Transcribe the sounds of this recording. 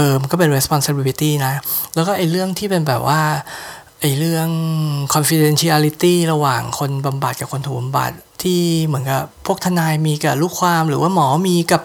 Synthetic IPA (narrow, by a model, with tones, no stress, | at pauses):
ʔɤː˧mkɔː˥˩pe˧nɾe˦˥spɔ˧nsa˧bi˧li˦t̪iː˥˩na˦˥lɛː˦˥wkɔː˥˩ʔa˨˩jɾɯ˥˩əŋt̪ʰiː˥˩pe˧nbɛː˨˩p̚waː˥˩ | ʔa˨˩jɾɯ˥˩əŋkʰɔ˧nfi˧de˧nt͡ɕʰi˦˥aː˧li˦˥t̪iː˥˩ɾa˧waː˨˩ŋkʰo˧nba˧mba˨˩t̪̚kaː˨˩pkʰo˧nt̪ʰuː˨˩ba˧mba̰˨˩t̪̚ʰːiː˥˩mɯ˩˦ənka˨˩ppʰu˥˩ək̚t̪ʰa˧naː˧jmiː˧ka˨˩ɾuː˦˥˩kʰwaː˧mɾɯː˩˦waː˥˩mɔː˩˦miː˧ka˨˩p̚